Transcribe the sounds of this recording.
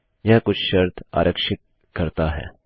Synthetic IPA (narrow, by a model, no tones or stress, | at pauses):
jɐɦkʊt͡ʃʰʃɐɾt̪ʰa̰ːɾʔəkʃɪt̪̚ | kɐɾt̪aɦɛ̰ː